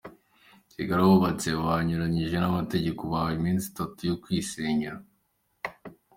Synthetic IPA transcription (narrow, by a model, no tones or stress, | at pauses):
siɡaɾaβoβat͡se̞βaɲuɾaɲiʒe̞namate̞ɟe̞koβaimiːnsi̥tatujokwiːseɲaɾa